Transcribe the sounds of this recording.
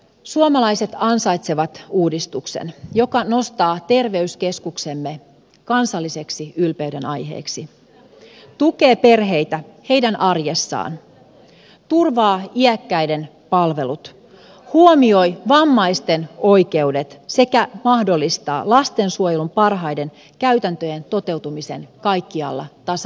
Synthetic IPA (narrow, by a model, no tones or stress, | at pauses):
suomɑlɑjse̞t̪ɑnsɑjt̪se̞ʋɑt̪uːdist̪uksḛnjo̞kɑno̞st̪ɑːt̪e̞rʋe̞yske̞skukse̞mːe | kɑnsɑlːise̞ksiylpeyɥɾenɑjɦe̞̰ːksi | t̪uke̞ːpe̞rɦe̞jt̪æhe̞jdænʔɑrjesːɑ̰ːn | t̪urʋɑːiækːæjde̞n | pɑlʋe̞lut̪ | huomio̞jʋɑmːɑist̪e̞no̞jke̞ude̞t̪se̞kæmɑhdo̞lːist̪ɑ̰ːlɑst̪e̞nsuojelumpɑrɦɑjde̞n | kæyt̪ænt̪øje̞nt̪o̞t̪e̞wt̪umise̞nkɑjkːiɑ̰lːɑ̰t̪ɑsɑ